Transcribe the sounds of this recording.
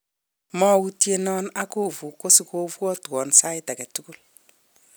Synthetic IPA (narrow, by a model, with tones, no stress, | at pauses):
mɔ˦wu˦ti˦e˦nɔ˦na˦ko˦vu˨ko˦si˨ko˦vu˦ɔ˦twɔ˨nsa˦i˦ta˨kɛ˨tu˦ku˦l